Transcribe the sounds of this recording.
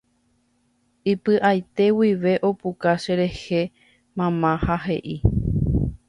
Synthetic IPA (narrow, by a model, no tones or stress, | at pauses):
ipɨʔajt̪e̞wiʋe̞ʔo̞pukaʃeɾe̞he̞ | mãmãhaɦe̞̰ʔi